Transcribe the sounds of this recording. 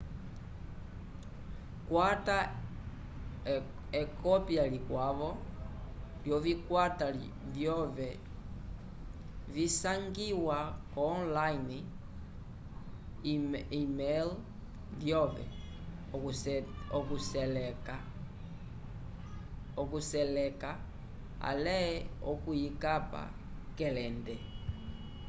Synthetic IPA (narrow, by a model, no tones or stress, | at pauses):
kwata | ekʰɔpjalikwaβɔ | ljovikwata | vjɔvɛ | visaŋɡiwakːnlaini | imɛl | vjɔvɛ̰ | ɔkusɛlka | ɔkusɛlɛka | a̰lɛɛɔkujikapa̰ | kɛlɛndɛ